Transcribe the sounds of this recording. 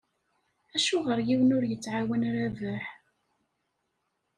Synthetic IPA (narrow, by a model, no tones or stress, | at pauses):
æʃuʁəɾjiwənʊɾjət͡sːʕawənɾævəħ